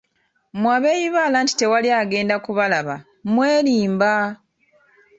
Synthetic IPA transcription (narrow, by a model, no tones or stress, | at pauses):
mwaβe̞ːjiβaːlanti̥te̞waliaːɡe̞ːndakuβalaβa̰ | mwe̞ːliːmba